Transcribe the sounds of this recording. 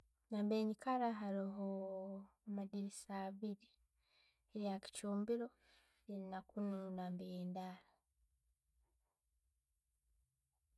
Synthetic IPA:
naːmbeːɲikaɾaɦaɾiɦo | amadiɾisaːβiɾi | eɾijaki̥cuːmbiɾo̞ | einakununaːmbejendaːɾa

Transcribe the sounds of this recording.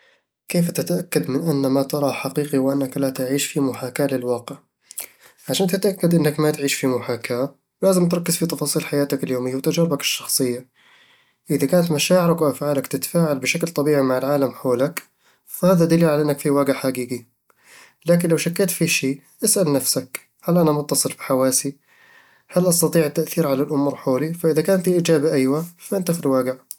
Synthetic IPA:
keːft̪ɪt̪aʔakːad̪mɪnʔanːamat̪ɑɾˤɑħaqiːqiwʔanːaklat̪aʕiːʃfimʊħaːkaːlɪlwɑːqɪʕ | ʕaʃaːnt̪ɪt̪ʔakːad̪ʔɪnːakmat̪ʕiːʃfimʊħaːkaː | wlaːzɪmt̪ɾˤɑkːɪzfit̪ɑfɑːsˤiːlħajaːt̪akɪljoːmɪjːawt̪ad͡ʒɾbakɪ̥ʃːɑ̥xsˤɨjːa | ʔɪðakaːnat̪maʃaːʕɪɾakwʔafʕaːlakt̪ɪt̪ḁfaːʕalbɪʃaklt̪ˤɑbiːʕimaʕalʕaːlamħoːlak | fahaːðad̪alilʕaʔɪnːakfiwaːɡɪʕħaɡiːɡi | laːk̬ɪnlawʃakːeːt̪fiʃiː | ʔasʔalnafsak | halʔanamʊt̪ːɑsˤɨlfi̥ħawaːsi | halʔɑst̪ɑt̪ˤiːʕat̪ːaʔθiːɾʕalalʔʊmuːɾˤħoːlifaʔɪðakaːnt̪iʔiːd͡ʒaːbaʔajwafaʔɪnt̪axid̪waːɡɪʕ

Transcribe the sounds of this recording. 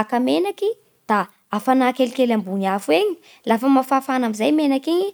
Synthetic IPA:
kəmenaki | d̪̥aː | fanaːkelikelambuɲafuweɲi̥ | lafəmafafanamizajmenakiɲi

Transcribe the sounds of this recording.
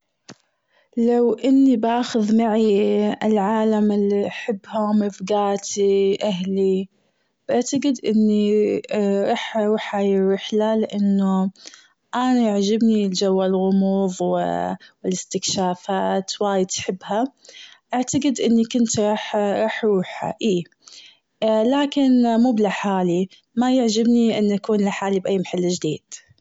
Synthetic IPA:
lawʔɪnːibaːxʊðmaʕiɪlʕaːlamɪlːiʔaħɪbːhʊmɪfɡaːt̪iʔaɦli | b̥ʔaʕt̪aɡɪd̪ʔɪ̰nːi | ɾˤɑːħɾuːħajɪɾːɪħlalɪʔanːʊ | ʔanajaʕd͡ʒabnild͡ʒawːalɣʊmuːðˤwɪ̰wɪlɪst̪ɪkʃaːfaːt̪waːjɪd̪ħɪbːhaʔaʕt̪aɡɪd̪ʔɪnːikʊnt̪ɾˤɑːħɾˤɑːħɾuːħa̰ʔiː | laːkɪnmuːblaħaːli | majaʕd͡ʒabniʔɪnːʔakuːnlaħaːlibʔajːmaħalːd͡ʒd̪iːd̪̥

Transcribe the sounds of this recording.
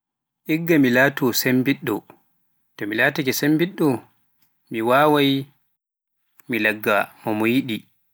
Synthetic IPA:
ʔiɡːamilaːtɔsembiɗːɔ | tɔmilaːtakɛsembiɗːɔ | miwaːwaj | milaɡːamɔmɔjiɗi

